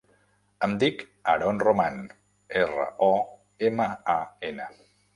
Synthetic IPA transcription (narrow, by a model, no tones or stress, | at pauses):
əmd̪ik | ə̰ɾɔnroman | erə̰ʔɔ | eməaenə